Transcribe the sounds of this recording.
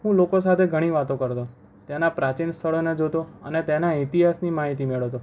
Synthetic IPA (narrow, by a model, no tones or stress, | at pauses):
ɦũlokos̬at̪ʰeɡʱəɽ̃iʋat̪õkəɾt̪o | t̪janapɾat͡ʃinst̪ʰəɭoned͡ʒot̪oənet̪enait̪iɦasnimaɦit̪imeɭot̪o